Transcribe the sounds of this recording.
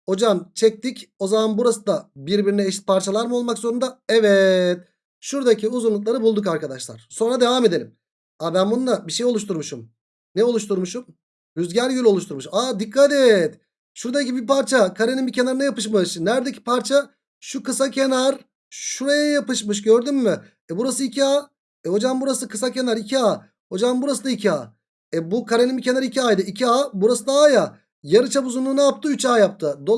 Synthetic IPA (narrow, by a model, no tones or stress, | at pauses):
o̞d͡ʒamt͡ʃʰɛc̚t̪ico̞zamanbuɾasɯd̪abiɾbiɾinɛːʃi̥t̪̚pʰaɾt͡ʃʰalˠaɾmɯo̞lˠmakzo̞ɾund̪aɛvɛt̪̚ | ʃuɾd̪acʰiuzunlˠuk̪̬lˠaɾɯbulˠd̪ukaɾkad̪aʃlˠa̰ɾ̥so̞nɾad̪e̞vaːme̞d̪e̞lʲim | abænbund̪abiʃejo̞luʃt̪ʰuɾmuʃum | nɛo̞lˠuʃt̪ʰuɾmuʃum | jyzɟæɾjylʲo̞lˠuʃt̪ʰuɾmuʃad̪ikʰːat̪ɛt̪ | ʃuɾd̪aicibipaɾt͡ʃʰakʰaɾenimbicʰe̞naɾɯnajapɯʃmɯʃnæɾd̪ecʰi̥paɾt͡ʃʰa | ʃukɯsacʰe̞naɾ | ʃuɾajajapɯʃmɯʃ̬ɟø̞ɾd̪ymːy | ɛbuɾasɯicʰiaː | ɛho̞d͡ʒambuɾaskɯsace̞naɾicʰiaː | ho̞d͡ʒammbuɾasɯd̪aicʰia̰ː | ɛbukʰaɾenimbicʰʲe̞naɾicʰiajd̪ɯicʰiaːbuɾasɯd̪aaja | jaɾɯt͡ʃʰabuzunuːnajapt̪ʰɯyt͡ʃaːjap̚t̪ʰɯd̪o